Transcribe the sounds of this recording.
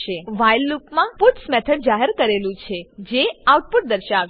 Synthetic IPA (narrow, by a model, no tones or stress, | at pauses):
ʃeʋajlːukmãpuʈsmɛt̪ʰəɖ̚d͡ʒaɦəɾkəɾelũt͡ʃʰed͡ʒeauʈ̚puʈ̚d̪əɾʃaʋ